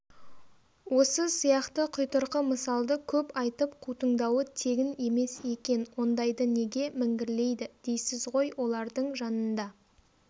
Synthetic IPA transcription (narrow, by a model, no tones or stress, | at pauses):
wo̞səsijɑqt̪əqʰʊjt̪əɾqəməsɑlˠd̪əkʲʰɵpɑjt̪əpqʰut̪əɴd̪ɑwət̪ʰe̞ɡʲɪne̞me̞se̞kʲe̞nwo̞nd̪ɑjd̪əne̞ɡʲe̞mɪŋɡʲɪɾle̞jd̪ɪd̪̥e̞jsɪzʁo̞jwo̞lˠɑɾd̪əɴʒɑnənd̪ɑ